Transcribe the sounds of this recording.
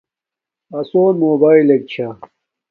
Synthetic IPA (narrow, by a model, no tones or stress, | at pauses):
ɐsoːnmoːbaːilek̚t͡ɕʰa